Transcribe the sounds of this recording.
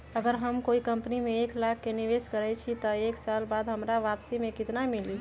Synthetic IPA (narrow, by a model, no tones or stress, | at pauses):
əɡəɾɦəmkoikəmpnimẽeklakʰːeniʋeskəɾɛt͡ʃʰit̪ɔeksaːlbaːd̪ɦəmɾaʋapsimẽkɪt̪namili